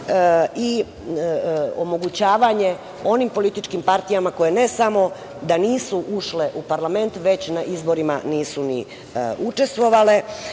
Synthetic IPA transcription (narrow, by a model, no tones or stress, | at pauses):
i | omo̞ɡut͡ɕaːʋaɲe | o̞nimpo̞lit̪it͡ʃkimpaɾt̪ijamako̞jene̞samo̞ | d̪aniːsuʔuʃle̞ʔupaɾlame̞nt̪ʋe̞t͡ɕnaʔizbo̞ɾima̰niːsunḭ | ut͡ʃe̞st̪ʋo̞ʋale̞